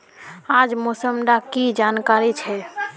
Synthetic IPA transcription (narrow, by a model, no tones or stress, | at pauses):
ad͡ʒmosəmɖ̪akid͡ʒankaɾit͡ʃʰɛ